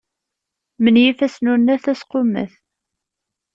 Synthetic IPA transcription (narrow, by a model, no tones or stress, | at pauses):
mənjifæsnunːæθæsqʊmːə̰θ